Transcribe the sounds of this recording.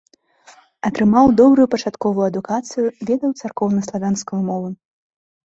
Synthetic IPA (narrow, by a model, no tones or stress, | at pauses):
ɐt̪ɾɨmawd̪ɔbɾujupɐt͡ʂat̪kɔvujuɐd̪ukat̪sɨjuvʲɛd̪ɐwt̪sarkɔwnɐslˠavʲanskɐjumɔvɨ